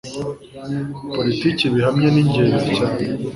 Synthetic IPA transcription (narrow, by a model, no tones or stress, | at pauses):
politiciβiɦamɲeniɲɟeːɾizicaːɲe